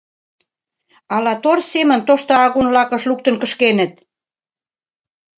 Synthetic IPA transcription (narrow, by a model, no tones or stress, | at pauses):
ɑlɑt̪orsemə̆nt̪oʃt̪oɑɣunvlɑkə̆ʃluk̚t̪ə̆nkə̆ʃkenə̆t̪̚